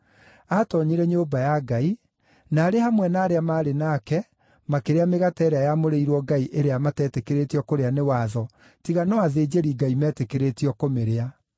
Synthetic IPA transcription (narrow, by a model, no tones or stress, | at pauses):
atɔɲiɾɛɲoːbajaɡai | naːɾehamwɛnaːɾeamaːɾenaːkɛ | makeɾeameɣatɛɾeajamoɾeiɾwɔɡaiʔeɾeamatɛːtekeɾetiɔkoɾeanewaðɔ | tiɣanɔaðeːd͡ʒeɾiːɡaimɛːtekeɾetiɔkomeɾea